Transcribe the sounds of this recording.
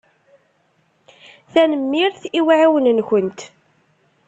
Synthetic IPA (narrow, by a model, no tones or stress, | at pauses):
θænəmːiɾθiwaʕiwənnçənt̪